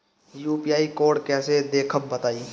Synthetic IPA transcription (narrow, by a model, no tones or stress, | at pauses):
juːpijaːikoːɽkɛːsed̪eːkʰəbbət̪aːiː